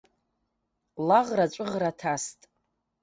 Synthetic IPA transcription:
laʁrat͡ʃʷʼʊʁratʰastʼ

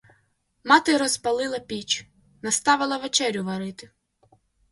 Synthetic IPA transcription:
mɑt̪ɪɾɔzpɐlˠɪlˠɐpʲit͡ʃ | nɐst̪ɑʋɪlˠɐʋet͡ʃɛɾʲʊʋɐɾɪt̪ɪ

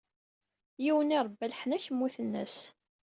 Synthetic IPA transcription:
jiwənɪɾˤbːælħnæçəmːuθənːə̰s

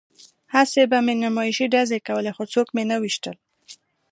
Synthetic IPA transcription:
hasebamenamɑɪʃiɖazekawəlexot͡sokmenəwiʃt̪əl

